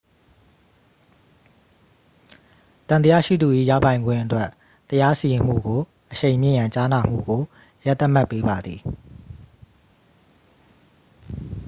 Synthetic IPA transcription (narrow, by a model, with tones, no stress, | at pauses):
t̪ã˨nt̪ə˦ja̰˦˨ʃḭ˦˨d̪u˨ʔḭ˦˨ja̰˦˨pã˨ɪ̃ŋɡwɪ̰̃˦ʔətwɛ˦ʔ | t̪ːəja˦si˨jɪ̃˨m̥ṵ˦˨ɡo˨ | ʔəʃẽ˨ɪ̃mjɪ̰̃˦˨jã˨ɲt͡ɕa˦na˨m̥ṵ˦˨ɡo˨ | ja˦ʔt̪ːa˦ʔm̥a˦˨pːe˦ba˨d̪ði˨